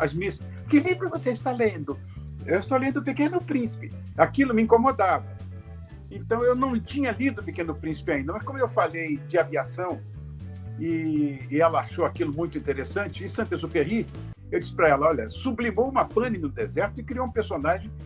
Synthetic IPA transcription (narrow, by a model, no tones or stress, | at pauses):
ɐzmis | kɪlĩbɾʊvoseɪst̪alẽnd̪ʊ | ewɪst̪owlẽnd̪ʊpɪkẽnʊpɾĩsi̥pɪ | akilʊmɪĩŋkomod̪avɐ | ẽnt̪ɐ̃w̃ewnɐ̃w̃t͡ʃĩɲɐlid̪ʊpɪkẽnʊpɾĩsɪ̥pɪaĩnd̪ɐmɐskõmʊewfalejd͡ʒɪaviasɐ̃w̃ | ɪːɛlɐaʃowakilʊmũj̃t̪ʊĩt̪eɾesɐ̃t͡ʃɪɪsɐ̃t̪ezʊfehi | ewd͡ʒisɪ̥pɾaɛlɐɔʎɐ̰sublimowũmɐpɐ̃nɪnʊ̃d̪ezɛɾt̪ʊɪkɾiowũpeɾsonaʒẽj̃